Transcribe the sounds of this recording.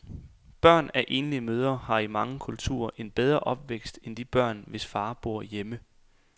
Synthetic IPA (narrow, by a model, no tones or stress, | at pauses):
b̥ɶɐ̰næʔe̝̰ːnəliəmøːð̞ˠɐhɑ̈imɑ̈ŋəkʰult͡sʰṵːɐ̰ʔe̝nb̥eð̞ˠʁɐʔɒ̽b̥ʋeɡ̥sd̥end̥ib̥ɶɐ̰nʋe̝sfɑ̈ːb̥o̝ɐ̰jemə